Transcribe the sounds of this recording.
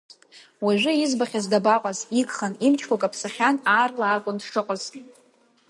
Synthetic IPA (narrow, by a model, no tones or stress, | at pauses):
waʒᶣʷʊizbaχʲazdabaqʼaziɡχanimt͡ʃʰkʷʰakʼapʰsaχʲanaːrlaːkʷʼʊndʂɨqʼəz̥tʼ